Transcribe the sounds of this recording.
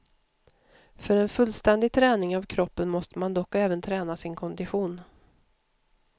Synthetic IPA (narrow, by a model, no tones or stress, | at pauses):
fœɾɛnfɵlːst̪ɛnd̪ɪɡ̚t̪ʰɾɛːnɪŋavkʰɾɔpːənmɔst̪əmand̪ɔkːɛːvənt̪ʰɾɛːnasɪnkʰɔnd̪ɪɧuːn